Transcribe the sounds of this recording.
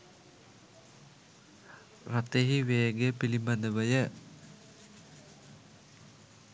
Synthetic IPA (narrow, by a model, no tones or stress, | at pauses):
rɐt̪eɦiʋeːɡepilimbɐnɐʋɐjə